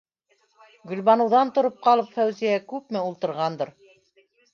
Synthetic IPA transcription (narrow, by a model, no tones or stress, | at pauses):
ɡɵ̆lβɑnɤ̆wðɑnt̪ŏɾop̚qɑlˠɤpfæwzijækʉp̚mɘulˠt̪ɤ̆ɾʁɑnd̪ɤɾ